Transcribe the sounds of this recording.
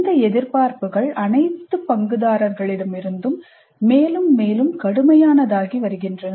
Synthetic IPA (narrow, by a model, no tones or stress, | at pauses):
nd̪ɐɛðɪɾpaːɾpɯɣɐɭʔɐnɐɪtt̪ːɯpɐŋɡɯðaːɾɐɾɣɐɭɪɽɐmɪɾɯnd̪ɯmː | eːlɯmːeːlɯmkɐɽɯmɐjaːnɐðaːɣiʋɐɾɯɣɪndrɐn